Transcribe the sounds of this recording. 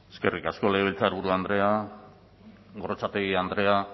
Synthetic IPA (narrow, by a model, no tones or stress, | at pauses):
eske̞rikasko̞leβ̞elt͡saɾβuɾuand̪ɾe̞a | ɣo̞ɾot͡sat̪eɣiand̪ɾe̞a